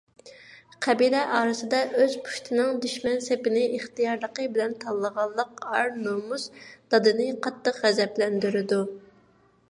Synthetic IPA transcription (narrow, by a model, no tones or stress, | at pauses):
qʰɛbilɛʔɑːɾɨsɨd̪ɑʔøz̥pʰu̥ʃt̪ʰɨnɨŋd̪yʃmɛnsepɪnɪʔeχt̪ijɑɾlˠəqəbɪlɛnt̪ʰɑlˠːəʁɑlˠːəqɑɾnomusd̪̥ɑd̪ɨnɨqʰɑt̪ːəqʁɛzɛplɛnd̪yɾɪd̪u